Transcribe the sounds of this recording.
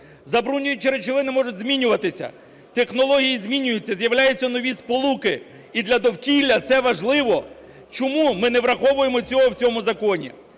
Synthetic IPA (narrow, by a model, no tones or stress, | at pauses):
zɐbɾunʲːʊjʊt͡ʃeɾet͡ʃɪʋɪnɪmɔʐʊtʲzmʲinʲʊʋɐt̪ɪsʲɐ̰ | t̪exnɔlˠɔɦʲijizʲmʲinʲʊjʊt͡sʲːɐzjɐwlʲajʊt͡sʲːɐnɔʋʲispɔlˠukɪ | id̪lʲɐd̪ɔwkʲilʲːɐt̪sɛʋɐʒlˠɪʋɔ | t͡ʃɔmumɪnɛʋɾɐxɔʋʊjemɔt͡sʲɔɦɔwt͡sʲɔmʊzɐkɔnʲḭ